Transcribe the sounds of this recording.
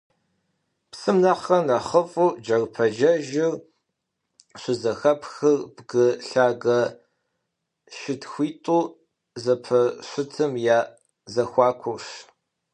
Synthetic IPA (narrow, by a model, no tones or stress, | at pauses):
psɨmnɐχɐnɐχəfʼuːd͡ʒɐrpʰɐʒɐʒɪr | ɕʷʊzɐxɐpxɨrbɡɨɬaːɡɐ | ʃɪtxʷiːtʼuː | zɐpʰɐɕʷʊtʰɨmjaː | zɐxʷɑːkʷʰʊɕ